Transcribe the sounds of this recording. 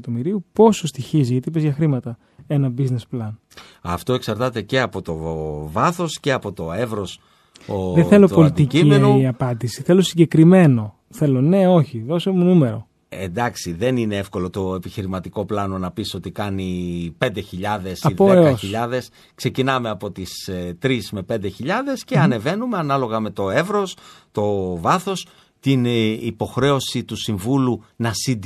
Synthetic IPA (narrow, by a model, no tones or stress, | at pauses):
ɐt̪o̞miɾiupo̞sost̪içiziʝɐt̪ip̬ezʝɐxɾimɐt̪ɐ | e̞nɐbizne̞splɐn | ɐft̪o̞e̞ksɐɾt̪ɐt̪e̞ce̞ɐpo̞t̪o̞vɐθo̞sce̞ɐpo̞t̪o̞evɾo̞s | oðeθelo̞polit̪icimienoɐpɐd̪isiθe̞lo̞siɲɟekɾime̞no̞ | θe̞lo̞ne̞o̞çiðo̞somunume̞ɾo̞̰ | end̪ɐksiðe̞nine̞efko̞lo̞t̪o̞e̞piçiɾimɐt̪iko̞plɐno̞nɐpiso̞t̪ikɐnipe̞nd̪e̞çiʎɐðe̞sɐioeosçiʎɐðe̞s | kse̞cinɐme̞ɐpo̞t̪ist̪ɾizme̞pe̞nd̪e̞çiʎɐðe̞sceɐne̞ve̞nume̞ɐnɐlo̞ɣɐme̞t̪o̞e̞vɾo̞st̪o̞vɐθo̞s | t̪inipo̞xɾe̞o̞sit̪usiɱvulunɐsind̪